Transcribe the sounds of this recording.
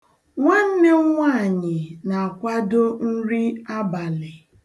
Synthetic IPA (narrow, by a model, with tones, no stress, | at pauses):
ŋʷa˦n̩˦ne˦ŋʷa˦a˨ɲɪ˨na˨a˨kʷa˦do˦n̩˦ɾi˦a˦ba˨lɪ˨